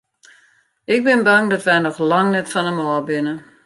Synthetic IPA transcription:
ɪk̚bɪnbaŋdɔtʋɛjnɔxlɑŋnɛtfɔnəmɔːbɪnə

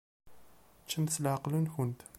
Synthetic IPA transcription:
t͡ʃːəmθslaʕqlənçʊnt̪

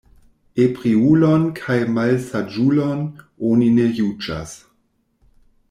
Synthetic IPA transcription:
epʁiulonkʰajmalsad͡ʒulon | oninejud͡ʒa̰s

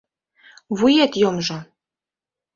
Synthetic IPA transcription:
βujet̪jomʒɤ̆

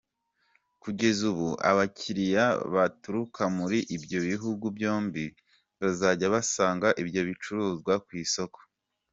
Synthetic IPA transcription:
kuɟe̞zuβuʔa̰βaciɾijaβatuɾukʰamuɾiʔibjo̞βiɦuɡubjo̞ːmbi | βazaɟaβasaːŋɡaʔibjo̞βit͡ʃuɾuːzɡwakwiːso̞ko̥

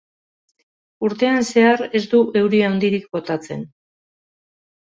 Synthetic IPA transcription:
uɾt̪e̞anse̞are̞zd̪uʔe̞wɾiawnd̪iɾik̚bo̞t̪at͡se̞̰n

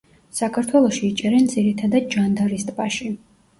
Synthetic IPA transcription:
sakʰaɾt̪ʰwɛlˠɔʃiːt͡ʃʼɛɾɛnd̪ziɾit̪ʰad̪ad̪̚ʒand̪aɾist̪ʼbʼaʃi

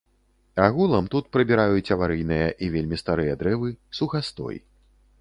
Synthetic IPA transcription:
aɣulˠɐmt̪ut̪̚pɾɐbʲiɾajut͡sʲɐvaɾɨjnɨjɐʔivʲelʲmʲist̪aɾɨjɐd̪ɾɛvɨsuxast̪ɔ̰j

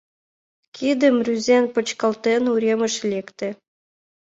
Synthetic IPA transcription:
kʰid̪ə̆mrʲyzenpə̆t͡ɕkɑlt̪enuɾʲemə̆ʃlʲekt̪ĕ

